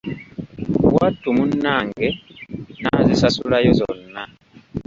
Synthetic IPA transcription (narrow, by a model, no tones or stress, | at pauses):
watumunːaŋɡɛnazisasulajɔzɔ̰nːa